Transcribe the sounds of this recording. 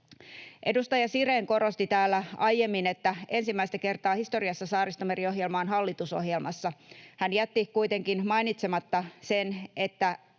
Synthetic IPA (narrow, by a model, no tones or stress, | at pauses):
ʔe̞dust̪ɑjɑsireːŋko̞ɾo̞st̪it̪æːlːæɑjje̞mːine̞t̪ːæe̞nsimːæist̪æke̞rt̪ɑːhist̪o̞riɑsːɑsɑːɾist̪omeɾio̞ɦjelmɑːnɦɑlːit̪uso̞̰hjelmɑsːɑhænjæt̪ːikuijt̪e̞ŋkinmɑinit̪se̞mɑt̪ːɑse̞ne̞t̪ːæ